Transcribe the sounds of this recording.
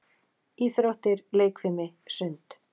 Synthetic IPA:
iːθɾowht̪ɪɾleːjkfɪmɪsʏnt̪

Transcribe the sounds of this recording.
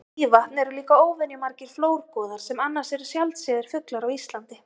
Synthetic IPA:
vaht̪nɛɾʏliːkaoːwvɪnimaɾcɪɾ̥floːwɾkɔːðaɾ̥sɛmanːḁsɛɾʏsjalt̪sɛːðɪɾ̥fʏklaɾawist̪lant̪ɪ

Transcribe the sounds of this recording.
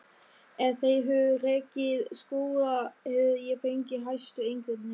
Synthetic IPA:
ɛθejɦœvʏrɛːcɪðskoːðahɛðjɛfejɲcɪɦajst̪ʏejŋkvɪt̪nɪ

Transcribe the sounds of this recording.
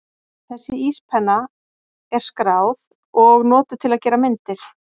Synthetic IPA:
θɛsːɪispʰɛnːa | ɛɾ̥skɾawð | ɔɣnɔːt̪ʏɾ̥t̪ʰɪlaðcɛːɾamɪnt̪ɪɾ̥

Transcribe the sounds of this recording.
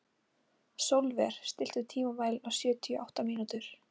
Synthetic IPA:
sowlvɛɾ̥st̪ɪl̥t̪ʏt̪ʰiːmavaːjlawsjœːt̪ʰiʏʔawht̪amiːnut̪ʏɾ̥

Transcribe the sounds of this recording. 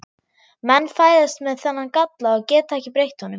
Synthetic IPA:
mɛnːfaːjðast̪mɛðθɛnːankat̪laːɣcɛːt̪aɛhcɪpɾejht̪hɔnːʏm

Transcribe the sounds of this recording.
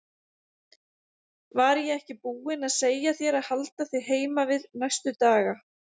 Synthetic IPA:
vaɾjɛɛhcɪpuːɪnaðseːjaθjɛɾaðhalt̪aθejɦeːjmavɪðnajst̪ʏt̪aːɣa

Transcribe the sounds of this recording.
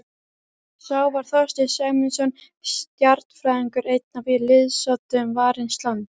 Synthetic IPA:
saːwvaɾ̥θɔst̪ɪsɛːmɪnsɔn | st̪jaɾt̪n̥fɾaːjðiŋkʏɾejt̪̚navɪlɪðsɔt̪ʏmvaːɾɪnst̪lant̪

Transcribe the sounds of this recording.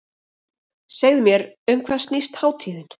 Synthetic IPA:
sɛɣðɪmjɛɾʏmkʰvɛðsnist̪haːwt̪ʰiːðɪn

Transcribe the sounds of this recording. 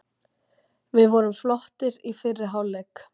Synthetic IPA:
vɪðvɔɾʏmflɔht̪ɪɾifɪrːɪɦaːwlɛk

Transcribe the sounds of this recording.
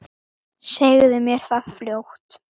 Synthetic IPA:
sejɣðɪmjɛɾ̥θaðfljowht̪

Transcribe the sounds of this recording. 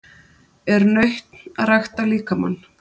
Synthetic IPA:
ɛɾnœɥht̪naðrajxt̪aliːkama̰nː

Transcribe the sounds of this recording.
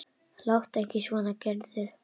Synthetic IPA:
lawht̪ɛhcɪsɔnacɛɾðʏɾ̥

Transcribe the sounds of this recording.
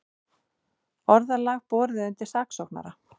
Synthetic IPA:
ɔɾðalaːɣpɔːɾðɪðʏnt̪ɪ̥saːksɔwkna̰ɾa

